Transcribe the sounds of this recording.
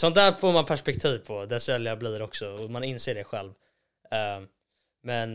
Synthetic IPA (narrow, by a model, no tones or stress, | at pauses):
sɔnt̪d̪æːɾfoːɾmanpʰæʂpɛk̚t̪ʰiːvpʰɔd̪ɛsɛljabliːɾɔksɔɔmanɪnseːɖɛɧɛlv | mɛn